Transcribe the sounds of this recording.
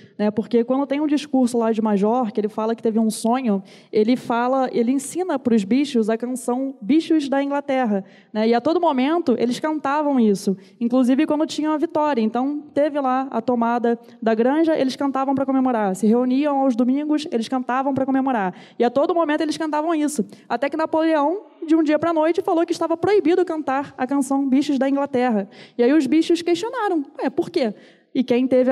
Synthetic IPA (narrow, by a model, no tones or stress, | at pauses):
nɛpoɾkekwɐ̃nd̪ʊt̪ẽj̃ũd͡ʒiʃkuɾsʊlad͡ʒɪmaʒɔɾkɪelɪfalɐkɪ̥t̪evɪũsõɲʊ | elɪfalɐʔelɪẽsĩnɐpɾʊzbiʃʊzɐkɐ̃nsɐ̃w̃biʃʊzd̪ɐĩŋɡlat̪ɛɦɐ | nɛɪat̪od̪ʊmomẽnt̪ʊʔelɪʃkɐ̃nt̪avɐ̃w̃isʊ | ĩŋkluzivɪkwɐ̃nd̪ʊt͡ʃĩɲɐũmɐvit̪ɔɾʲiɐẽnt̪ɐ̃w̃t̪evɪlaɐ̰t̪omad̪ɐ | d̪ɐɡɾɐ̃ʒɐʔelɪʃskɐ̃nt̪avɐ̃w̃p̬ɾɐkomemoɾaɾsɪɦeuniɐ̃w̃awzd̪umĩŋɡʊselɪʃkɐ̃nt̪avɐ̃w̃pɾɐkomemoɾaɾ | ɪat̪od̪ʊmomẽnt̪ʊelɪʃkɐ̃nt̪avɐ̃w̃isʊat̪ɛkɪnapoleɐ̃w̃d͡ʒɪũd͡ʒiɐpɾɐnojt͡ʃɪfalokɪʃt̪avɐpɾoibid̪ʊkɐ̃nt̪aɾɐkɐ̃sɐ̃w̃biʃʊzd̪ɐĩŋɡlat̪ɛɦɐɪaiʊzbiʃʊʃkeʃt͡ʃionaɾɐ̃w̃ɛpoɾke | ɪkẽj̃t̪evɪ